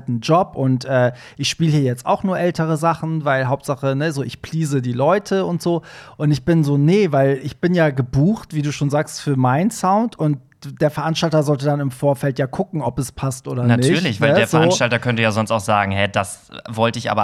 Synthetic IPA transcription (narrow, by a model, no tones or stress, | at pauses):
tn̩d͡ʒɔpʔʊntʔɛː | ʔɪçʃpiːləhiːɐjɛt͡sta̰ʊxnuːɐʔɛltəʁ̞əzaχn̩vaɪlɦaʊp̚tz̥aχənəzoːʔɪçpʰl̥iːzədiːlɔʏtʰəʊntz̥oːʔʊntɪçb̥ɪnzoːnəvaɪlɪçb̥ɪnjaːɡəbuːxtv̥iːduːʃoːnzaːkstfyːɐmaɪnsaʊntʊnt̚ | d̥eːɐfɛɐʔanʃtaltɐzɔltədanɪmfoːɐfɛltjaːkʰʊkŋ̩ɔpɛspʰastʔoːdɐnantʰɪyːɐlɪçv̥aɪədeːɐfɛɐoːanːnʃtaltɐkʰœntəjaːzɔnstaʊxz̥a̰ːɡŋ̩hɛdasvɔltəɪçʔa̰ːbɐ